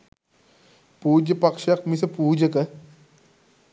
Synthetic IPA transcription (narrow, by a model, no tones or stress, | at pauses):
puːd͡ʒɐpɐkʃɐk̚mis̬ɐpuːd͡ʒɐkɐ